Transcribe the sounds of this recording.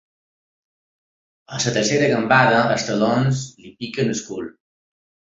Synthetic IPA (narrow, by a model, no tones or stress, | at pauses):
əsət̪əɾseɾəɣəmbaðəəst̪əlonzlipikənəskṵl